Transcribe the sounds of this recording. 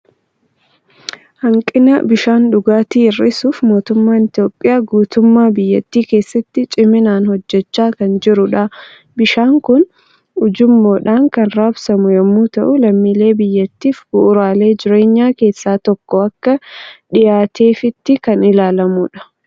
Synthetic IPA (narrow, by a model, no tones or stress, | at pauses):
hɐŋkʼɪnɐbɪʃaːnᶑʊɡaːt̪iːɪrːɪsuːfmo̞ːt̪ʊmːaːnɪt̪ɪjo̞ːpʼːɪjaːɡuːt̪ʊmːaːbɪjːɐt̪ːiːke̞ːsːɐt̪ːɪt͡ʃʼɪmɪnaːnhɔd͡ʒːɛt͡ʃːaːkɐnd͡ʒɪɾʊᶑɐ | bɪʃaːŋkʊn | ʊd͡ʒʊmːo̞ːᶑaːŋkɐnɾaːbsɐmʊjɐmːuːt̪ɐʔʊlɐmːile̞ːbɪjːɐt̪ːiːfɡʊʔʊɾaːle̞ːd͡ʒɪɾe̞ːɲːaːke̞ːsːaːt̪ɔkːɔɐkːɐᶑɪjaːt̪ʰe̞ːfɪt̪ːɪkɐnɪlaːlɐmʊᶑɐ̥